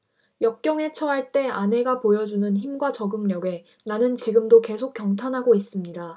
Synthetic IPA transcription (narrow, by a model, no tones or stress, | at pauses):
jʌk̚k͈jʌŋɦe̞t͡ɕʰʌɦaɭt͈e̞ane̞ɡapojʌd͡ʑunɯnçimɡwat͡ɕʌɡɯŋɲʌɡe̞ | nanɯnt͡ɕiɡɯmdoke̞sʰok̚k͈jʌŋtʰanɦaɡois͈ɯmɲida